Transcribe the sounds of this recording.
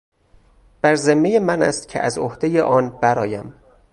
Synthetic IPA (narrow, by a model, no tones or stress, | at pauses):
b̥æɾzemːejemænæ̰st̪cʰeʔæzohd̪e̞jeʔɒːnb̥æɾɒːjæm